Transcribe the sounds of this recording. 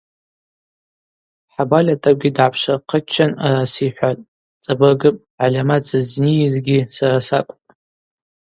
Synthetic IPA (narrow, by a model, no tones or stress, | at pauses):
ħabalʲatʰʼaɡʲidʕapʰʂaqʰət͡ʃʰːanaɾasiħʷatʼ | t͡sʼabɨrɡɨpʼʕalʲamad͡zɨd͡znirɡʲisaɾasakʷʼpʼ